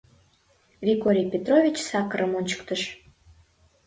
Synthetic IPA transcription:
vʲikoɾʲijpʲet̪rovʲit͡ɕsɑkəɾəmonʲt͡ɕə̥kt̪əʃ

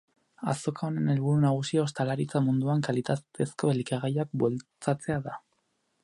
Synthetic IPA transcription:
a̰so̞kao̞ne̞ne̞lβuɾunaɣ̞usiost̪alaɾit͡samund̪uaŋkalit̪at̪e̞sko̞elikaɣajak̚bwe̞lt͡sat͡se̞aða

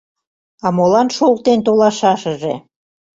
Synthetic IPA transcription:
ɑmolɑnʃol̚t̪ent̪olɑʃɑʃə̆ʒḛ

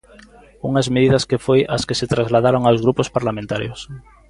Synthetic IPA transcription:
uŋɐzmeðiðɐskefojɐskɪsɪt̪ɾazlaðaɾoŋawzɣɾupʊspaɾlamẽnt̪aɾjos

